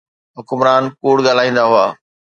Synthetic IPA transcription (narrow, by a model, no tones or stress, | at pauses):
ɦʊkʊmɾaːnkuːɽɠaːl̤aːĩːn̆d̪aɦuaː